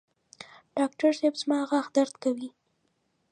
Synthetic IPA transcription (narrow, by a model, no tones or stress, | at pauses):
ɖ̥ɑk̚ʈaɾsebz̥mɑaɣaxd̪aɾd̪kawi